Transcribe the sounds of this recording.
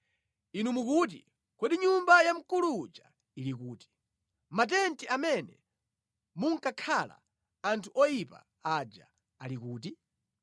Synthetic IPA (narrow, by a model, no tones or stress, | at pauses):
inumukut̬ḭ | kwɛɗiɲumbajam̩kulud͡ʒa | ilikuːti̥ | mat̬ɛntiamɛnɛ̰ | muŋkakʰala̰ | antʰuʔɔjipa̰ | ad͡ʒa̰ | alikuːt̬i